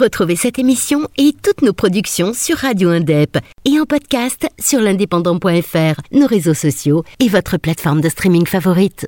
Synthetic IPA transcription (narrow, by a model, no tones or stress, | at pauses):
ʁət̪χuvesɛt̪emisjɔ̃et̪ut̪nopχɔd̪yksjɔ̃syʁːad̪joɛ̃d̪ɛpeɑ̃pɔd̪kʲast̪syʁlɛ̃d̪epɑ̃d̪ɑ̃pwɛ̃ɛfɛʁnoʁezosɔsjoevɔt̪χəplat̪fɔʁmd̪əst̪χimĩŋɡfavɔʁit̪